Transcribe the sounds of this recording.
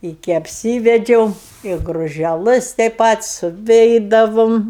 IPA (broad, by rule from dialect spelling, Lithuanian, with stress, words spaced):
ɪkʲɪ ɐpʲˈsʲiːʋʲɛd͡ʒʲɛʊ ɪ ɡrʊʒʲɛˈlˠɜs tʲɛɪ ˈpɐt sʊˈʋʲɛɪdɐʋoːm